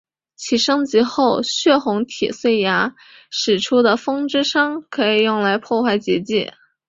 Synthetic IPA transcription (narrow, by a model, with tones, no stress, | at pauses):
t͡ɕʰi˨˩ʂɤ˥ŋt͡ɕi˧˥xo˥˩ʊɕɥɛ˥˩xʊ˧˥ŋt̪ʰḭ˨˩swe˥˩ɪja˧˥ | ʂɻ̩˨˩ʈ͡ʂʰu˥d̪ə˨fɤ˥ŋʈ͡ʂɻ̩˥ʂɑ˥ŋkʰɤ˧˥i˨˩jʊ˥˩ŋla˧˥ɪpʰwɔ˥˧xwa˥˩ɪt͡ɕɛ˧˥t͡ɕḭ˥˩